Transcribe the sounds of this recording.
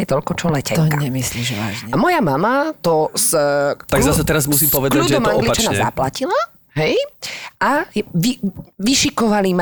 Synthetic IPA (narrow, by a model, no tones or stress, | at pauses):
ɛt̪ɔlkɔt͡ʃɔlɛcɛt̪ɔaɲɛmisliːʒɛʋa̰ːʒɲɛamɔjamamat̪ɔst̪akɡzasɛt̪ɛɾazmus̬iːmpɔʋɛd̪klauːʒɛɛɔmɔaŋɔɡlipat͡ʃanaɲɛza̰placila | ɦɛjʔajʋiʋiʃikɔʋalima